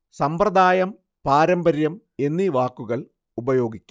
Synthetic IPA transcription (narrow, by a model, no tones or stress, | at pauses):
sɐmprɐd̪aːjɐm | paːɾɐmbɐɾjɐm | e̞nːiʋaːkːuɣɐɭ | ubɐjo̞ːɡikʲː